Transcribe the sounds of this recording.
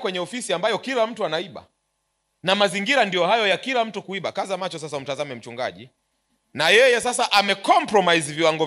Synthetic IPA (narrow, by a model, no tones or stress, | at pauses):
kwɛɲɛɔfisiambajɔkilam̩tuanaiɓa̰ | namaziŋɡiɾandijɔhajɔjakilam̩tukuiɓakazamat͡ʃɔsas̬aum̩tazamɛm̩t͡ʃuŋɡa̰ʄi | najɛjɛsasaʔamɛkɔmpɾɔmaizviwaŋɡɔ